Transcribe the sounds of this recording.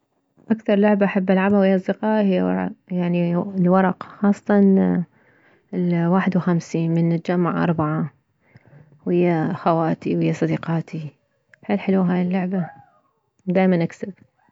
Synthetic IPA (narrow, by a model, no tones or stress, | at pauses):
ʔakθɑɾˤlʊʕbaʔaħabːʔalʕabhawhɪjːʔɑsˤd̪ɪqɑːʔhɪjːaɑ̰ɾ̰jaʕnilwɑɾˤɑqxɑːsˤːɑ̥t̪ɑn | lwaːħɪd̪wxamsiːnmɪnt̪ad͡ʒamːa̰ʕʔɑ̰ɾˤbaʕa | wɪjːaxawaːt̪iwhɪjːasˤɑd̪iqɑːt̪ʰi | ħalːħɪluːɦaːjɪlːʊʕba | wd̪aːjmanʔaksab̚